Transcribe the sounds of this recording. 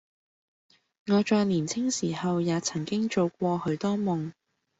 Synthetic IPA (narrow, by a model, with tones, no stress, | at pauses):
ŋɔː˨˧t͡ʃɔː˨˧jliː˨˩nt͡sʰɪ˥ŋsiː˨˩hɐ˨wjaː˨˧t͡sʰɐ˨˩ŋkɪ˥ŋt͡ʃo˨˧wk̚ʷɔː˧hɵ˨˧ɥt̪ɔː˥mʊ˨ŋ